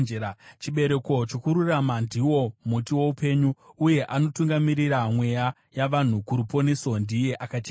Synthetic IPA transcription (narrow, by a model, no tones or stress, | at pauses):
t͡ʃiɓe̞ɾe̞ko̞t͡ʃo̞kuɾuramandʱiwo̞mutiwo̞upe̞ɲuuje̞ʔano̞tuŋɡamiɾiɾamwe̞ja | jaʋan̤ukuɾupo̞neso̞ndije̞ʔakat͡ʃe